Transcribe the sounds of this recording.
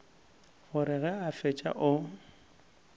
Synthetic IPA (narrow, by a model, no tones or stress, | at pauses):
ɣʊɾɪɣɛafet͡ʃʼa̰ʔʊ